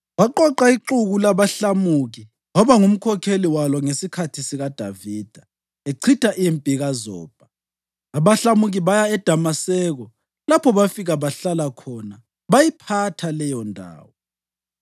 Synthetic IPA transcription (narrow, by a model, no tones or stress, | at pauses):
βaǃɔǃaiǁuɣulaβaɬamuɣi | wɔβaŋum̩kʰɔkʰeliwalɔŋesikʰatʰisiɣad̥ʱa̰viːd̥ʱa | eǀʰitʼaʔiempʼiɣazɔ̰ːb̥ʱaː | βaɬamuɣiβajaɛd̥ʱamasɛɣɔ | lapʰɔβafiɣaβaɬalakʰɔna | βajipʰatʰalɛjɔndʱa̰ːwɔ